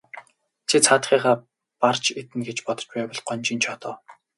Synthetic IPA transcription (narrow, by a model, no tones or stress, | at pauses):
t͡s̪ʰet͡sʰaːt̪χiːχaː | part͡ɕʰet̪ɘ̆nɡet͡ɕpɔt̪ɞ̥̆t͡ɕpæːpɔ̆ɮɢɔnʲt͡ɕiːnt͡ɕʰɔt̪ɔː